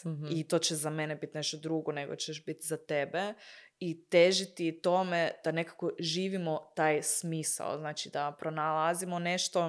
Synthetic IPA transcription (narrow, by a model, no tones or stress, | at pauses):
it̪o̞ːt͡ɕezamenebit̪neʃt̪od̪ɾuɡone̞ɡo̰t͡ɕeʃbit̪zat̪ebeit̪eʒit̪it̪o̞me̞d̪̥ane̞kako̞ʒiːʋimo̞t̪aːjsmiːsa̰o̰znaːt͡ʃid̪apɾonalˠazimoneʃt̪o̞